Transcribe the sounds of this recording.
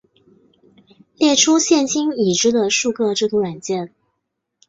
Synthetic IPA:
ljɛ˥˩ʈ͡ʂʰu˥ɕjɛ˥˩nɕi˥ni˨˩ʈ͡ʂɻ̩˥d̪ə˨ʂu˥˧kʰɤ˥˧ʈ͡ʂɤ˥˧˩t̪ʰu˧˥ɻwa˨˩nt͡ɕjɛ˥˩n

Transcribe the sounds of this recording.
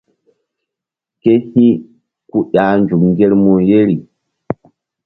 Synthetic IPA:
ke˦hi˦ | ku˦ɗa˨nd͡ʒu˨kŋɡe˦lmu˨je˦ɾi˨

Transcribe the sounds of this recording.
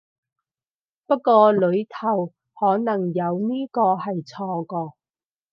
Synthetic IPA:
pɐ˥t̚kːɔː˧lɵ˨˧ɥt̪ʰɐ˨˩w | hɔː˨˥nɐ˨˩ŋjɐ˨˧wniː˥kɔː˧hɐ˨jt͡sʰɔː˧kɔː˧

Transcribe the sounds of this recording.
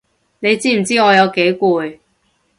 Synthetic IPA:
ne˨˧jt͡siː˥m̩˨˩t͡siː˥ŋɔː˨˧jɐ˨˧wke˨˥jkuː˧j

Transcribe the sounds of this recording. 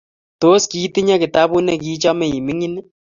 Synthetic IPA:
to˦ski˦ti˦ɲa˦kɪ˨ta˦bu˦nɛ˦k̬i˦t͡ʃa˦mɛ˨i˨mɪ˦ŋi˦nɪ˦

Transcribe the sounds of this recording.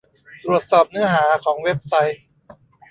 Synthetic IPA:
t̪ɾu˨˩ət̪̚sɔː˨˩p̚nɯ˨˦˥ɐɦaː˩˦kʰɔː˩˦ŋwe˦˥p̚sa˦˥j

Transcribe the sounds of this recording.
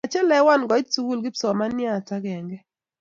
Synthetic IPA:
a˨t͡ʃɛ˦lɛ˦wa˦˨nɡɔ˨ɪ˦tsu˦ɡu˦lɡɪ˦psɔ˨ma˦nja˦˨ta˦ɡɛ˨ŋɡɛ˦

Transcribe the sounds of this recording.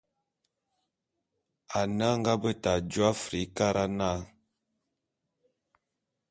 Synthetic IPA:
a˨na˦ŋ˦ɡa˦bə˦ta˨d͡ʒwa˦fɾi˨˦ka˦ɾʔa˦na˦˨

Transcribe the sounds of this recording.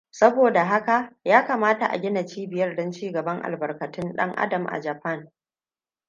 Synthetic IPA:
sɐ˦boː˨da˨ɦa˦ka˨jaː˦ka˨maː˦ta˨ʔa̰˨ɡʲɪ˦na˨t͡ʃiː˦bɪ˨jɐ˦rdɔ˦nt͡ʃiː˦ɡɐ˨bɐ˦ŋʔa̰˨lbɐ˨rkɐ˨tʊ˦nɗɐ̰˦ŋʔa̰˦dɐ˨mʔa̰˨d͡ʒɐ˨ɸɐ˦n

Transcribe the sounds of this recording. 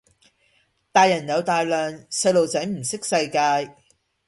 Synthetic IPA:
t̪aː˨˧jːɐ˨˩njɐ˨˧wt̪aː˨jlœː˨ŋsɐ˧jlo˨wt͡sɐ˨˥jm̩˨˩sɪ˥k̚sɐ˧jkaː˧j

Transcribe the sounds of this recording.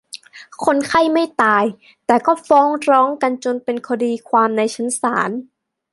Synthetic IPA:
kʰo˧nkʰa˥˩jma˥˩jt̪aː˧j | t̪ɛː˨˩kɔː˥˩fɔː˦˥ŋɾɔː˦˥ŋka˧nt͡ɕo˧npe˧nkʰɔː˧diː˧kʰwaː˧mna˧jt͡ɕʰa˦˥nsa̰ː˩˦n

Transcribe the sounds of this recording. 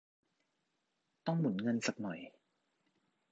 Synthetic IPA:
t̪ɔ˥˩ŋmu˩˦nŋɤ˧nsa˨˩k̚nɔ˨˩j

